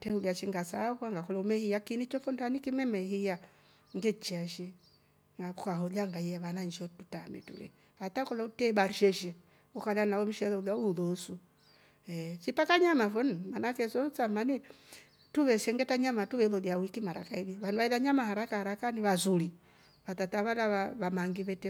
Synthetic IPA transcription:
tɛuliaʃɛŋɡasakwaŋɡakɔlɛumɛhijakinit͡ʃɔfɔndanikimɛmɛhija | ŋɡɛt͡ʃaʃɛ | ŋɡakukaɦɔlaŋɡaijɛβanaɲd͡ʒiɔtutamɛ̰tṵlɛ̰ | atakɔlautɛbaɾiʃɛʃɛ | ukalannawɔmiʃɛlɔulaulɔsu | ɛsipakaɲamafɔnmanakɛsɔsamani | tuβɛsɛŋɡɛtaɲamatuβɛlɔljawikimaɾa̰kailiβanduβaiðaɲamahaɾakahaɾakaniβazuli | βatataβalaβaβamaŋɡiβɛtɛ

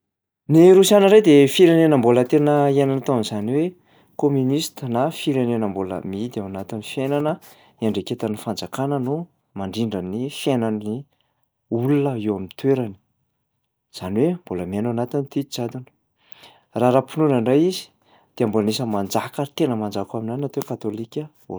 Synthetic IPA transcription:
niɾusanəɖ͡ʐajd̪efiɾenenəmbolət̪enəienanat̪oamizaniwe | komynist̪ənafiɾenenəmbolə̰mid̪awanat̪inifjenanə | iaɳɖ͡ʐeket̪ənifand͡zakanənu | maɳɖ͡ʐiɳɖ͡ʐanifjenanni | ulunəewamint̪weɾani̥ | z̥aniwemboləmianawanat̪init̪iiz̥ad̪un | raɾapinunaɳɖ͡ʐajizi̥ | d̪̥eambolanisəmand͡zakaɾt̪enəmand͡zakaminanat̪owekat̪olikʲə | o̰

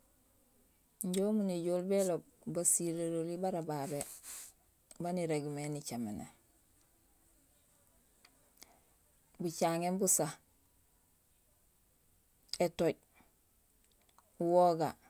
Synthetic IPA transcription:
ɲɟoːmuniɟoːlbelob̚basiɾeɾolibaɾabaɾe | baniɾeɡumenit͡ʃamena̰ | but͡ʃaːŋembusa | etoɟ | uwoɡa

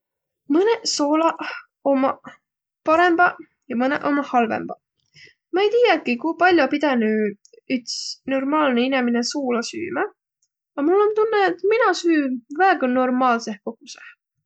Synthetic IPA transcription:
mɤneso̞ːlɑ | omɑ | pɑɾe̞mb̥ɑ | jɑmɤnḛʔo̞mɑhɑlvḛmb̥ɑ | mɑejt̪iːjɑkikujpɑlʲjopid̪̥ɑnyː | yt̪sno̞rmɑːlneineminesoːlɑsy̰ːmɑ | ɑmulːent̪unːeet̪ˑminɑsyːvæːɡ̥ɑno̞rmɑːlse̞hko̞ɡ̥use̥h

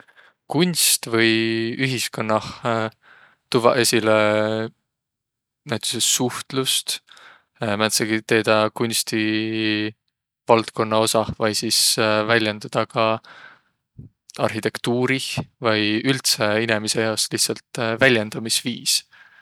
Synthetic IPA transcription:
kunʲst̪vɤjyɦisko̞nːɑh | t̪uvɑ̰ʔesile | næyt̪ːˑe̥sesuht̪lust̪ | mæt̪seɡit̪e̞ːd̪̥ɑkunʲst̪i | vɑlt̪ko̞nːɑo̞sɑvɑjsisvælʲjend̪̥ɑd̪̥ɑkɑ | ɑ̰rɦit̪e̞kt̪uːɾivɑjylt̪se̞inemise̞jɑost̪lihtsɑlt̪ˑvælʲjend̪̥ɑmisviːs

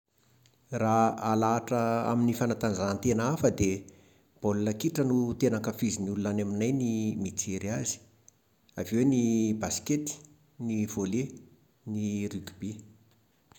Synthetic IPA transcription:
raalaʈ͡ʂəa̰minifanat̪anzanant̪enafəd̪e | b̥olunakiʈ͡ʂənut̪enakafiziniulunanaminajnimit͡seɾiazi̥ | aviwenibasi̥ket̪i̥ | nivole | nirykb̥i

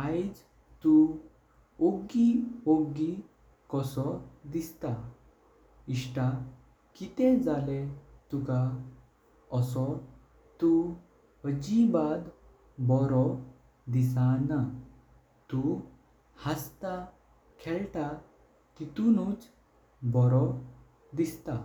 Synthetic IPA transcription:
ajd͡z | t̪u | oɡioɡi | kɔsɔd̪ist̪a | iɕʈa | kit̪ẽd͡zalet̪uka | əsɔ | t̪u | əd͡ʑibad̪ | bɔɾɔ | d̪isana | t̪u | hast̪a | kʰɛɭʈa | t̪it̪unut͡s | bɔɾɔ | d̪ist̪a

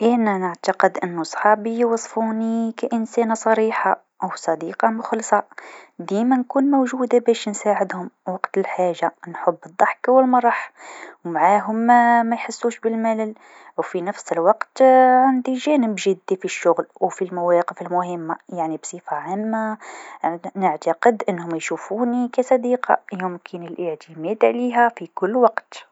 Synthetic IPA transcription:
ʔɪnænəʕt̪ɑqəd̪ʔənːusˤħɑbijwɑsˤfunikæʔənsænasˤɑɾiħa | ʔəwsˤɑd̪iqɑmʊxlsˤɑd̪imænkunmowʒud̪abæʃnsaʕəd̪hʊmwɑqt̪əlħaʒːanħobːəd̪ˤːɑħkæwəlmɑɾˤɑħwmʕaɦʊmmæjħəsːuʃbəlmælæl | wfinəfsəlwɑqt̪ʕand̪iʒænəbʒəd̪ːifiʃːʊɣlwfilmæwɑqəfəlmʊhəmːajaʕnibsˤifaʕamːa | nəʕt̪ɑqəd̪ʔənːhʊmjʃufunikæsˤɑd̪iqɑ̰jʊmkʰənəlʔəʕt̪əmæd̪ʕliɦæfikʊlːwɑqt̪

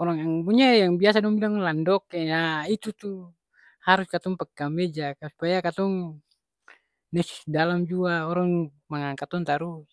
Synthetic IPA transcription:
ɔɾaŋaŋpuɲajaŋbiasadɔŋbilaŋlandɔkɛait̪ut̪u | haɾuskat̪ɔŋpəkːamɛd͡ʒakasu̥pajakat̪ɔŋ | nɛkdalamd͡ʒuaɔɾaŋ | maŋakat̪ɔŋt̪aɾus

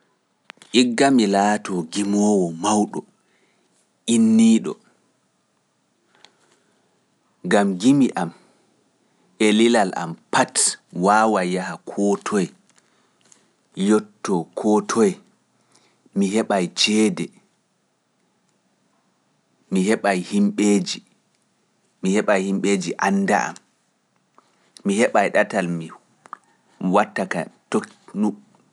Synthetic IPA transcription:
ʔiɡːamilaːtʰɔɡimɔːwɔmawɗɔ | ʔinːiːɗɔ̰ | ɡamɡimiʔam | elilalʔa̰mpatwaːwajahakʰɔːtʰɔj | jɔtːɔkʰɔtʰɔjɛ | miɦɛɓajt͡ʃɛːdɛ | mihɛɓajhimɓed͡ʒi | mihɛɓajhimɓeːd͡ʒiʔanːda̰a̰m | mihɛɓajɗatalmi | watːakatok | nu

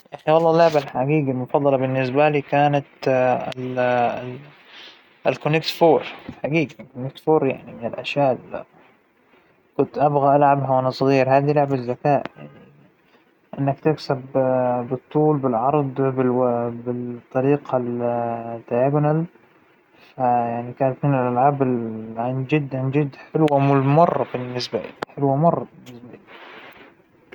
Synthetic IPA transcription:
ʔaxiwɑlˤːɑːlʊʕbalħaɡiːɡalmʊfɑd̪ˤːɑlɑbɪnːɪsbaliːkaːnat̪ | ɪlkʊnːɪkt̪foːɾlħaɡiːɡilkʊnːɪk̚t̪foːɾja̰ʕnimɪnɪlʔa̰ʃjaːʔl | kʊnt̪ʔabɣaʔalʕabhawanasˤɣiːɾhaːðilʊʕbazːakaːʔjaʕni | ʔɪnːakt̪ɪksabbɨt̪ˤːuːlbɪlʕɑɾˤd̪ˤbɪbɪt̪ˤːɑɾiːqʰalt̪ːajaɡʊnal | fajaʕnikaːlfiːnɪlʔalʕaːbɪlʕand͡ʒɪd̪ːand͡ʒɪd̪ːħɪlwamʊlmɑrˤːb̥ɪnːɪsbaa̰ħɪlwamɑrˤːbɪnːɪsbaʔi

